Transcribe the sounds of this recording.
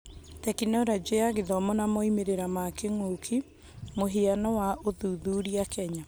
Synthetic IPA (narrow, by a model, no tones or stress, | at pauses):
tɛkinɔɾad͡ʒeaɣeðɔmɔnamɔimeɾeɾamakeŋokʰi | moɦeanɔwaʔoðuðuɾiakɛɲa